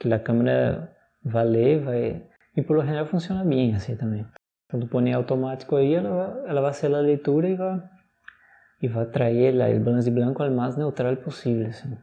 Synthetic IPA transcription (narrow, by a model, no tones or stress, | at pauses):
kɪlɐkɐ̃meɾɐ̰ | valevaj | ɪpoɾloɦeneɾawfũsiõnɐbẽj̃asĩt̪ɐ̃mẽj̃ | t̪ɐ̃t̪upõnẽawt̪omat̪i̥kʊaiɛlɐvaɛlɐvaseɾlɐlejt̪uɾɐɪva | ɪvat̪ɾaela̰ḛlbalɐ̃s̬d̪ɪblɐ̃ŋkʊalmaznewt̪ɾalposivlɪasĩ